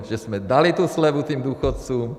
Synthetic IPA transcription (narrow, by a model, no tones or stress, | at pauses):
ʒɛz̥mɛd̪alit̪uslɛʋut̪iːmd̪uːxɔt̪t͡suːm